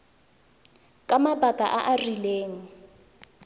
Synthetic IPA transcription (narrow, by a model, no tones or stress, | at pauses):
kʼamabʱakʼaʔaʔarileːŋ̩